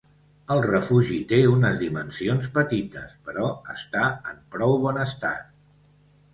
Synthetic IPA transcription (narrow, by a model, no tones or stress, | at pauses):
əlˠrəfuʒit̪eunəzðimənsionspət̪it̪əspəɾɔəst̪aəmpɾɔwβɔnəst̪at̪̚